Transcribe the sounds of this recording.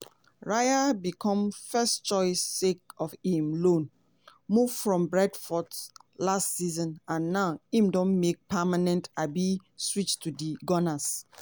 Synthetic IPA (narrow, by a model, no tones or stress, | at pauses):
ɹajabikʰɔ̃mfɛst͡ʃɔɪsek̚ɔfĩmlõn | muv̥fɹɔ̃mbɹɛdfɔdslastsizɔ̃nãnːaʊĩmdɔ̃nmek̚pʰamanɛ̃ntabiswit͡ʃtʰudiɡɔnas